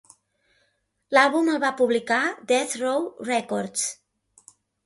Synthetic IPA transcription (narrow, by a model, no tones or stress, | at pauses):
lalˠβuməlˠβapuβlikad̪ɛθrowrɛkoɾt̪s